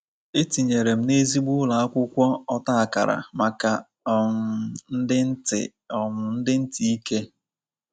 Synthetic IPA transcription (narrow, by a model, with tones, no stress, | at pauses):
e˦ti˨ɲe˨ɾe˨m̩˦ne˦zi˦ɡ͡bu˦la˨a˦kʷʊ˦kʷɔ˦ɔ˦ta˦a˨ka̰˨ɾa̰˨ma˨ka˨ | ɔ˨mʊ˨n̩˦dɪ˦n̩˦tɪ̰˨ | ɔ˨mʊ˨n̩˦dɪ˦n̩˦ti˨i˦ke˦